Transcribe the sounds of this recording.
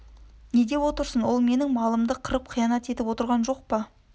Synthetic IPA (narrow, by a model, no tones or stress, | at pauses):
ne̞d̪e̞wo̞t̪əɾsənwo̞lˠme̞nɪŋmɑlˠəmd̪əqʰəɾəp̚qʰijɑnɑt̪e̞t̪ɪpwo̞t̪əɾʁɑnʒo̞q̚pɑ